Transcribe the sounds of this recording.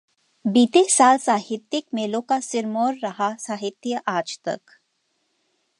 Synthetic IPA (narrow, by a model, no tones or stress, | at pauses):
biːt̪esaːlsaːhɪt̪jəkmeːlõkasɪɾmoːɾːɐɦasaːɦɪt̪jəʔaːd͡ʒt̪ɐ̰k